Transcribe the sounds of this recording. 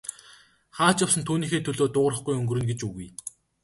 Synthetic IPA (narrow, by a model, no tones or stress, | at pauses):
χaːt͡ɕawsə̆nt̪ʰuːniːxeːt̪ʰɵɮoːt̪ʊːʁ̆rə̆χɡujɵŋɡɵ̆rɵ̆nɡet͡ɕɵɣuj